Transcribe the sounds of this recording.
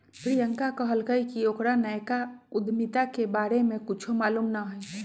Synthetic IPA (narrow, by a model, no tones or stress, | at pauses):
pɾijəŋkakəɦəlkəikiokɾanəjkaʊd̪ʱmit̪akebaːɾemẽkʊt͡ʃʰomaːlumnəɦɛː